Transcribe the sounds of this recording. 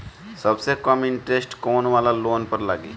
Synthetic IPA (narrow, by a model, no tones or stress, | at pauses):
səbsekəmɪ̃ɳʈɾesʈkoːnʋaːlaloːnpəɾla̰ːɡḭː